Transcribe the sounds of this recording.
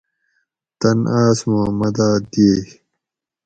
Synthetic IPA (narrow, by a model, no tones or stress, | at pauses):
t̪ɐnʔaːsmomɐd̪aːd̪eː